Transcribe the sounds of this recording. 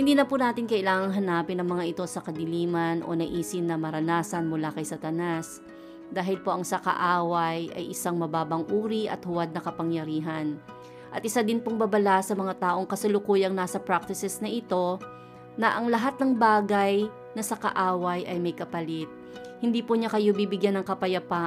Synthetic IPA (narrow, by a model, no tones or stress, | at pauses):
hɪnd̪iːnɐpunaːt̪ɪnkɐʔɪlaːŋɐŋɦɐnaːpɪnɐŋmɐŋaʔɪt̪o̞sɐkɐd̪ɪliːmɐnʔo̞̰nɐʔiːsɪnɐmɐɾɐnaːsɐnmʊlakɐjsɐt̪ɐnas | d̪aːɦɪlpo̞ʔɐŋsɐkɐ̰ʔaːwɐjʔɐ̰jʔɪsaŋmɐbaːbɐŋʔuːɾiʔɐ̰t̪̚hʊwad̪̚nɐkɐpɐŋjɐɾiːɦɐn | ʔɐt̪̚ʔɪsad̪ɪnpoŋbɐbɐlasɐmɐŋat̪aːʔo̞ŋkɐsɐlʊkuːjɐŋnasɐpɾak̚t̪ɪsɛsnɐʔɪt̪o̞ | nɐʔɐŋlɐɦat̪̚nɐŋbaːɡɐj | nɐsɐkɐ̰ʔaːwɐjʔɐjmɐjkɐpɐlɪt̪̚ | hɪnd̪iːpʊɲakɐjobiːbɪɡjanːɐŋkɐpɐjɐpa